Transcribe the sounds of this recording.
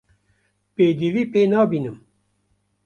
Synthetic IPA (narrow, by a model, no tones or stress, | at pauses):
peːd̪iviːpeːnɑːbiːnɨm